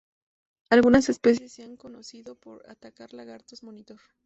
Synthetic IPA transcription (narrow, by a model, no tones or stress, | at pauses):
alɣunase̞spe̞s̬jesːeaŋko̞no̞siðo̞po̞̰ɾa̰t̪akaɾlaɣaɾt̪ozmonit̪oɾ